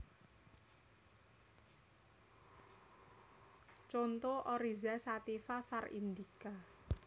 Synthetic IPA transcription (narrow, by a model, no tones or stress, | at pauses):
t͡ʃont̪oʔɔɾizasat̪ifafarḭnd̪ika